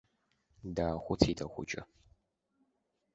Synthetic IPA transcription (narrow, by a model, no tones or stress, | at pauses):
daːxʷʊtʰiːdʰɐxʷʊ̰t͡ʃʼɪ̰